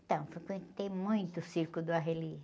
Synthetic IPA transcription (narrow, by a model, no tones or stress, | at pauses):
t̪ɐ̃w̃fokẽt̪emũj̃t̪ʊsiɾkʊd̪ʊaɦeli